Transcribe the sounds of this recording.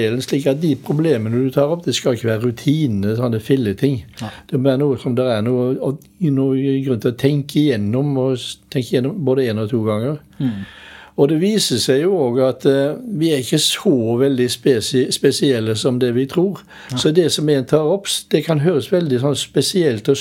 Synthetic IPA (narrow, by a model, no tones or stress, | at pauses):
eːlənsliːkɑt̪̚d̪ɪpʰɾʊbleːmənəd̪ʉt̪ʰɑːɾɔpːd̪ɛskɑlɪçːəʋæːɾəɾʉt̪ʰiːnəsɔnːəfɪlːət̪ʰɪŋːd̪̥ɛmɔʋæːɾənuːəsɔmd̪ɛɾæɾnuːəɔ | nuːɡɾʉnt̪ɪɔt̪ʰɛŋkəɪjɛnːɔmɔt̪ʰɛŋkːəɪjɛnːɔmboːd̪əeːnɔt̪ʰuːɡɑŋːəɾ | ɔd̪ɛʋiːsəsɛɪjʊoːɡɑt̪ʋɪæɾɪçːəsɔʋɛld̪ɪspɛsɪspɛsɪɛlːəsɔmd̪ɛʋɪt̪ʰɾuːɾ | sɔd̪ɛsɔmɛnt̪ʰɑːɾɔpːd̪̥ɛkʰɑnɦøːɾəsʋɛld̪ɪsɔnːspɛsɪɛlt̪ɔ